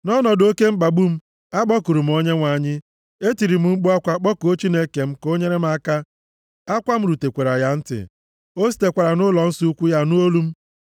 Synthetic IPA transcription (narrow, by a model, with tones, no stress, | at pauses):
nɔ˦nɔ˨do˦ke˦m̩˦ɡ͡ba˨bu˦m̩˦ | a˦ɡ͡bɔ˦ku˨ɾu˨m̩˦o˦ɲe˦ŋʷa˨ɲɪ˦ | e˦ti˨ɾi˨m̩˦ŋ͡m̩˦ɡ͡bu˦a˦kʷa˦k͡pɔ˦ko˦t͡ʃi˦ne˦ke˨m̩˦ko˦ɲe˦ɾe˦m̩˦a˦ka˦ | a˦kʷa˦m̩˦ɾu˨te˨kʷe˨ɾa˨ja˨˦n̩˦tɪ̰˨ | o˦s̬i̥˦te˨kʷa˨ɾa˨nʊ˦lɔ˨n̩˦su˦kʷu˦ja˦nu˦o˦lu˦m̩˦